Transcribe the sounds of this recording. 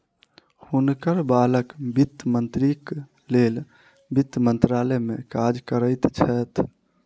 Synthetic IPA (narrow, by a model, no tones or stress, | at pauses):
hunkəɾbaləkbit̪ːmənt̪ɾik | lel | bit̪ːmənt̪ɾalɛmḛkad͡ʒkəɾəjt̪t͡ʃʰɛt̪ʰ